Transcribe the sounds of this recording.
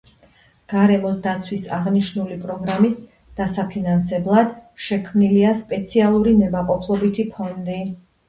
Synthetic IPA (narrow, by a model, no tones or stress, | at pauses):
ɡ̥aɾɛmɔsd̪at̪sʰwisaʁniʃnulipʼɾɔɡɾamis | d̪̥asapʰinansɛblˠad̪ʃɛkʰmniliaspʼɛt̪sʰialˠuɾinɛbaqʼɔpʰlˠɔbit̪ʰipʰɔnd̪i